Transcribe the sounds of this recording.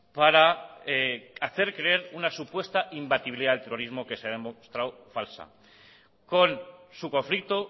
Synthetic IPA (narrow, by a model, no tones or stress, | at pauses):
paɾaeaθe̞ɾkɾe̞eɾunasupwe̞st̪aʔimbat̪iβiliðaðet̪ero̞ɾizmo̞ke̞seaðemost̪ɾawfalsa̰ | ko̞nsuko̞ɱflik̚t̪o